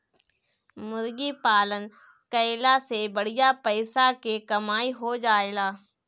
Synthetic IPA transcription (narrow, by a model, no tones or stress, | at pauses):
mʊɾɡipaːlən | kəɪlasebɐɽ̤ɪjapəɪsakekɐmaːiɦod͡ʒaːeːɡaː